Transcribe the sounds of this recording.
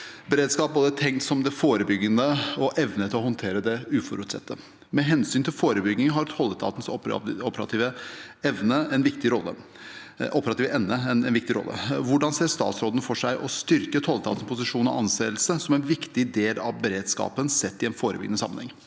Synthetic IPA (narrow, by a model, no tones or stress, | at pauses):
bəɾeːd̪skɑːp̚boːd̪ət̪ʰɛŋkt̪sɔmd̪ɛfoːɾəbʏɡːənəɔʔɛʋnət̪ʰɪlɔhɔnt̪ʰeːɾəd̪ɛʉːfɔɾʉːt̪sɛ̰t̪ʰːə | mɛɦɛnsyːnt̪ʰɪlfoːɾəbʏɡnɪŋɦɑɾt̪ʰɔlːəst̪ʰɑ̰ːt̪n̩sɔ̰ɔpːəɾɑ̰t̪ʰiːʋəɛʋnəɛnʋɪkt̪ɪɾɔlːə̰ | ʔɔpəɾɑt̪iːʋʔɛnnəɛnɛnʋɪkt̪ɪɾɔ̰lːə̰ʋʊɖɑnseːɾʂt̪ɑ̰ːt̪sɾoːd̪ən̩fɔʂæɪʔɔst̪ʏɾkət̪ʰɔlːəst̪ʰɑ̰t̪n̩spʰʊs̬ɪʂuːnɔʔɑnseːlsəsɔmɛnʋɪkt̪ɪd̪eːlɑʋbəɾeːd̪skɑ̰ːpənsɛt̪ːɪɛnfoːɾəbʏɡənəsɑmənhɛŋ